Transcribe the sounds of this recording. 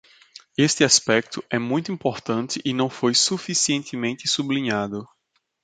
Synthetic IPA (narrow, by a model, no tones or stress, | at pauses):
est̪ɪaspɛk̚t̪ʊʔɛmũj̃t̪ʊuĩmpoɾt̪ɐ̃nt̪ɪʔɪnɐ̃w̃fojsufisiẽnt̪ɪmẽnt̪ɪsublĩɲad̪ʊ